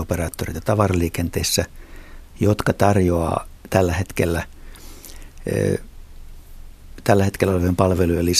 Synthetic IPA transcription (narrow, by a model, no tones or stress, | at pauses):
operɑːt̪ːorit̪ɑt̪ɑʋɑrɑliːkent̪eisːæ | jot̪kɑt̪ɑrjoɑ̰ːt̪ælːæhet̪kelːæ | t̪ælːæhet̪kelːæoleʋempɑlʋelujɑlːis